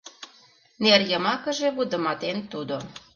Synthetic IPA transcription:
nerjə̆mɑkə̆ʒeβud̪ə̆mɑt̪ent̪ud̪o

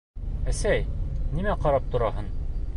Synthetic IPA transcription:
æsæjnimæqɒɾɑp̚t̪ŏɾɑɦɤn

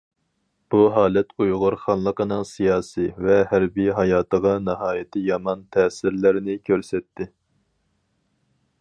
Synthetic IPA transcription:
b̥uɦɑːlɛt̪ujʁʊɾχɑnlˠəqʰənɨŋsijɑːsivɛɦæɾbijɦɑjɑːt̪ʰəʁɑnɨɦɑːjɪt̪ʰɪjɑmɑnt̪ʰɛːsɪɾlɪɾnɪkʲʰøɾsɛt̪ːɪ

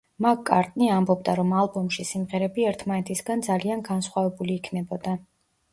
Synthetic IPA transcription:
makkʼːa̰ɾt̪ʼniambɔbd̪aɾɔmalˠbɔmʃisimʁɛɾɛbiɛɾt̪ʰmanɛt̪ʰisɡand̪zalianɡansχwavɛbuliːkʰnɛbɔd̪a

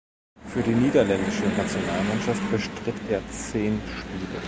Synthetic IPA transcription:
fyːɐɾiːniːdɐlɛndɪʃənat͡sjonaːlmanʃaft̚b̥əʃtʁ̥ɪtʰʔeːɐt͡seːnʃpiːlə

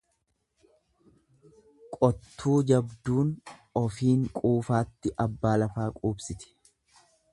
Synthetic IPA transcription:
kʼɔt̪ːuːd͡ʒɐbd̪uːnɔfiːŋkʼuːfaːt̪ːɪʔɐbːaːlɐfaːkʼuːbsɪt̪ɪ̥

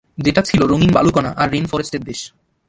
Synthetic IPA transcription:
d͡ʑeʈat͡ɕʰiloɾoŋinba̰lukɔnaʔaɾːinfɔɾesʈeɾd̪eʃ

